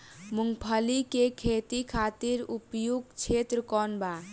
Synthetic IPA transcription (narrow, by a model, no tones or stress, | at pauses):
muŋɡpʰəlikekʰet̪ikʰat̪iɾupjuɡt͡ʃʰet̪ɾəkɔnba